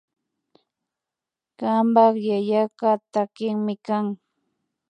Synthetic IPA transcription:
ɢɑmbɑχjajakat̪akɪŋmɪkaŋ

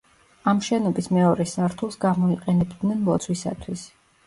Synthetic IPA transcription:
amʃɛnɔbismɛɔɾɛsaɾt̪ʰulˠsɡamɔiqʼɛnɛbd̪nɛnmɔt̪sʰwisa̰t̪ʰwis

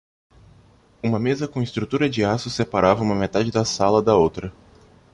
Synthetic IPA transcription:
ũmɐmezɐkõist̪ɾut̪uɾɐd͡ʒɪasʊsepaɾavɐũmɐmet̪ad͡ʒɪd̪ɐsalɐd̪ɐowt̪ɾɐ

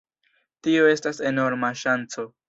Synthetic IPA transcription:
tio̞e̞stase̞no̞ɾmaʃant͡so̞

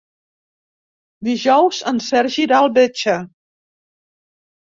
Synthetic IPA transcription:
d̪iʒɔwzənsɛɾʒiɾalˠβet͡ʃə

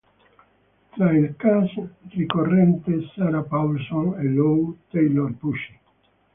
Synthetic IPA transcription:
t̪ɾaelkasrikorent̪esaɾapawlsonelowt̪ejloɾpuʃi̥

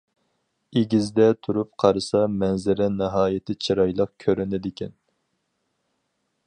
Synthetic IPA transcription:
eɡʲizd̪ɛt̪ʰuɾup̚qʰɑɾɨsɑmɛnzɪɾɛnɨɦɑːjɪt̪ʰɪt͡ʃʰiɾɑjlˠəq̚kʲʰøɾɪnɪd̪ɪkʲʰɛn

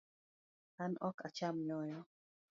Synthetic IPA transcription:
anɔkat͡ʃamɲɔjɔ

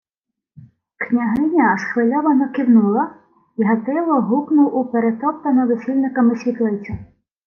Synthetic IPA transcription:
knʲɐɦɪnʲɐʃxʋɪlʲɔʋɐnɔkiwnulˠɐ | iɦɐt̪ɪlˠɔɦuknʊwʔupeɾet̪ɔpt̪ɐnɔʋesʲilʲnɪkɐmɪsʲʋʲit̪lˠɪwt͡sʲɐ

